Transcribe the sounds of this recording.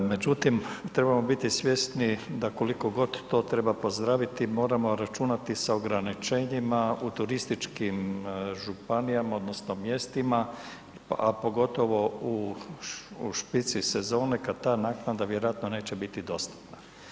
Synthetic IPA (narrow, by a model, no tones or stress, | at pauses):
med͡ʒut̪imt̪ɾe̞bamo̞bit̪isʋʲje̞st̪nid̪ako̞liko̞ɡo̞d̪ːo̞ːt̪ɾe̞bapo̞zd̪ɾaːʋit̪imo̞ːɾamo̞ɾat͡ʃunat̪isao̞ɡɾanit͡ʃe̞ːɲimaut̪uɾist̪it͡ʃkimʒupanijamao̞d̪no̞snomje̞st̪ima | apo̞ɡo̞t̪o̞ʋo̞u | ʃpit̪sise̞zo̞ːne̞kad̪t̪aːnaknad̪aʋje̞ɾojat̪none̞ːt͡ɕebit̪id̪o̞st̪u̥pna